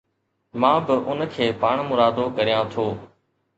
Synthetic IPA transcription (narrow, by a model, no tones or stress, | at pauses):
mãːbɪʔʊnkʰeːpaːɳ̃mʊɾaːd̪oːkəɾijãːt̪ʰoː